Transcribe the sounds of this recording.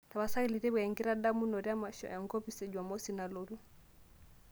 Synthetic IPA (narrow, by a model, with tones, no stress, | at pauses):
ta˨βa˨sa˦i˦li˨ɾe˦bwɛ˨ŋɡi˦ɾa˦da˦mu˦nɔ˨ɾja˦ma˨ʃɔ̰˨ʔa˨ŋɡɔ˦pi˦se˨d͡ʒwa˨mɔ˦sina˨lo˨ɾu˦